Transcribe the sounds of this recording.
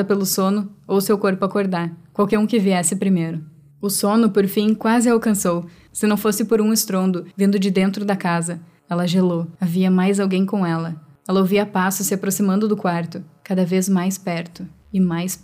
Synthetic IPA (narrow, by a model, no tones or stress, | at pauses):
ɐpelʊsõnʊowʊsewkoɾpʊakoɾd̪aɾkwawkɛɾũkɪviɛsɪpɾimejɾʊ | ʊsõnʊpoɾfĩkwazɪawkɐ̃sow | sɪnɐ̃w̃fosɪpoɾũɪst̪ɾõnd̪ʊvĩnd̪ʊd͡ʒɪd̪ẽnt̪ɾʊd̪ɐkazɐ | ɛlɐʒeloaviɐmajzawɡẽj̃kõw̃ɛlɐ | ɛlɐoviɐpasʊsɪapɾosimɐ̃nd̪ʊd̪ʊkwaɾt̪ʊkad̪ɐvezmajspɛɾt̪ʊ | ɪmajs